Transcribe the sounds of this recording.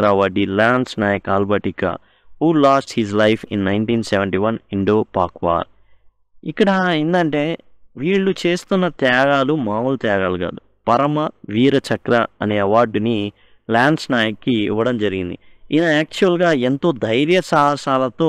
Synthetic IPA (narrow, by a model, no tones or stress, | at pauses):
ɾaʋaːɖilaːɳɖsnaːjɐkaːlbɐʈika̰ | ɦuːlaːsʈhizlɐjpʰḭnːɐjɳʈiːnseʋeɳʈiʋɐniɳɖoːpaːkʋa̰ːɾ | ikːɐɽɐind̪ɐɳʈe̞ː | ʋiːɭːut͡ʃe̞ːst̪unːɐt̪jaːɡaːlumaːult̪jaːɡaːluɡa̰ːd̪u | pɐɾɐmɐʋiːɾɐt͡ʃɐkɾɐɐne̞ːɐʋaːɾɖni | laːɳɖsnaːjɐkːḭːʋɐɽɐmd͡ʒɐɾiɡind̪iinɐaːk̚t͡ʃuɐlɡaːent̪o̞ːd̪ɐjɾjɐsaːɦɐsaːlɐt̪o̞ː